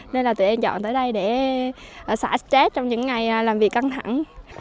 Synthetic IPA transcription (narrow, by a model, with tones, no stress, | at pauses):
ne˧nlaː˨˩t̪ɨ̰˨˧˨ʔɛ˧mt͡ɕɔ̰˧˨nt̪əː˨˦jɗə˧jɗe˧˩˨ | sa̰ː˧˩˦t͡ɕɛ˦˥t̚t͡ɕɔ˧wŋ͡mɲɨ̰˧˥ŋːa˨˩jlaː˨˩mvi˨˩əkːa˧ŋt̪ʰa̰˧˩˨ŋ